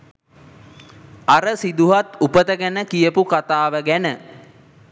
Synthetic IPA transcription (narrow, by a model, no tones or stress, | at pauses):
aɾəsid̪uɦat̪upət̪əɡænəkijəpukat̪aːʋəɡænə